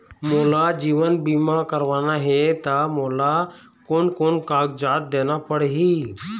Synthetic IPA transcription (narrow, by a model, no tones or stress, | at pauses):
moːlad͡ʒiːʋənbiːmakəɾʋaːnaɦet̪amoːla | koːnkonkaːɡ̚d͡ʒaːt̪̚d̪eːnapəɽeɦiː